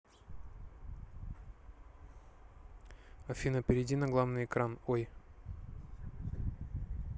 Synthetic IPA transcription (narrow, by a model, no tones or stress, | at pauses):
ɐfʲinəpʲɪɾʲɪdʲinɐɡlˠavnɨjɪkɾanoj